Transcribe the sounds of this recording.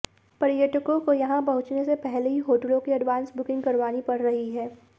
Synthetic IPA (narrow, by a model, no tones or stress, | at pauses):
pɐɾɪjəʈɪkõkojɐɦãpɐɦʊt͡ʃnesepɛɦleɦiɦoːʈəlõkiɐɖʋaːnsbʊkɪ̃ŋɡkɐɾʋaːnipɐɽɾɐɦiɦɛː